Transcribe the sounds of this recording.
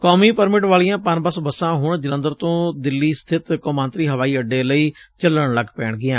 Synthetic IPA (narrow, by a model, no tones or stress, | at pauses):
kɔːmiːpəɾmɪʈʋaːlijãːpənbəsbəsãːɦʊɳd͡ʒɪlə̃nd̪əɾt̪õːd̪ɪlːiːst̪ʰɪt̪komãːnt̪ɾiːɦəʋaːiːəɖːeːləiːt͡ʃələɳləɡpɛːɳɡɪjãː